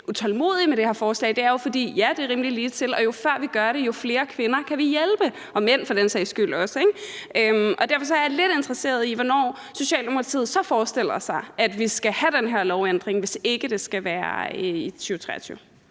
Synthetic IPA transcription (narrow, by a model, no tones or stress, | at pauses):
ʔut͡sʰɒ̽lmo̝̰ːð̰ˠimedɾ̥e̝hɛɐfɒːslɛ̰ːɪd̥e̝æɐjo̝fɒ̽d̥ḭːjæd̥e̝ʁimliliːt͡sʰe̝lɒ̽jo̝fɶɐ̰ʋiɡ̥ɶɐɾ̥e̝jo̝fle̝ːɐkʰʋe̝nɐkʰæʋijelb̥ə | ʔɒ̽men̰fɒ̽d̥ensɛɪsɡ̥yl̰ɒ̽səeɡ̥ʔømɒ̽d̥æɐfɒs̬ɒ̽æɐjle̝d̥e̝nd̥ʁɐse̝̰ːɐðˠiʋɒnɒ̰ː | so̝ɕɛ̰ːld̥e̝mokʰɑ̈t͡sʰḭːð̩ˠsɒ̽fɒːsd̥e̝l̰ɐsɑ̈ɪʔæd̥ʋisɡ̥æhæd̥enɦeɐlɒʊend̥ʁeŋʋe̝se̝ɡ̥əd̥e̝sɡ̥æʋæːɐit͡sʰyːʊt͡sʰʁɛ̰ːɐt͡sʰy̰ːʊ